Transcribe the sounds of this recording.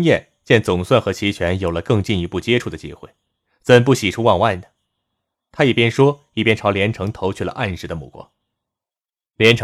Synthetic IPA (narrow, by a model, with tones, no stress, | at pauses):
ŋjɛ˥˩n | t͡ɕjɛ˥˩nt͡sʊ˨˩ŋswa˥˩nxɤ˧˥t͡ɕʰi˧˥t͡ɕʰɥɛ˧˥njo˨˩ʊlə˦kɤ˥˧ŋt͡ɕi˥˩ni˧˥pu˥˩t͡ɕjɛ˥ʈ͡ʂʰu˥˩d̪ə˩t͡ɕḭ˥xwe˥˩ɪ | t͡sə˨˩np̬u˥˩ɕi˨˩ʈ͡ʂʰu˥wɑ˥˧ŋwa˥˩ɪd̪ə˩ | t̪ʰa˥i˨˩pjɛ˥nʂwɔ˥ | i˥˩pjɛ˥nʈ͡ʂʰɑ˧˥ʊljɛ˧˥nʈ͡ʂʰɤ˧˥ŋt̪ʰo˧˥ʊt͡ɕʰy˥˩lə̰˩ʔa˥˧nʂɻ̩˧˥d̪ə˧mṵ˥˩kwɔ̰˥ŋ | ljɛ˧˥nʈ͡ʂʰ